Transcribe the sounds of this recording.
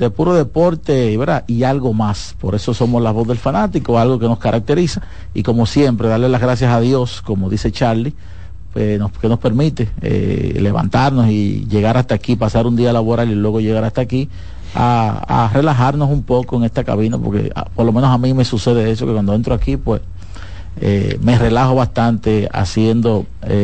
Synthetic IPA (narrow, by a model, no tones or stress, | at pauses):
d̪epuɾo̞ðe̞po̞ɾt̪e̞iβeɾaʔialɣo̞mas | po̞ɾe̞so̞so̞moslazβo̞zðe̞lfanat̪ikoalɣo̞ke̞no̞skaɾʔak̚t̪e̞ɾisa | ḭko̞mo̞sje̞mpɾe̞ðaɾle̞lazɣɾas̬jasaðjo̞sko̞mo̞ðise̞t͡ʃaɾli | pwesnoke̞no̞spe̞ɾmit̪eḛle̞βa̰nt̪aɾno̞sḭʝe̞ɣaɾast̪akipasaɾund̪ialaβoɾalilwe̞ɣoʝeɣaɾast̪aki | a̰a̰re̞laɦaɾno̞sumpo̞koeŋe̞st̪aka̰βinapo̞ɾke̞̰poɾlo̞menosamĩme̞suse̞ðeðe̞sokekwand̪oent̪ɾoakipwes | ḛme̞re̞laɦoβast̪ant̪e̞a̰sjend̪o̞ | e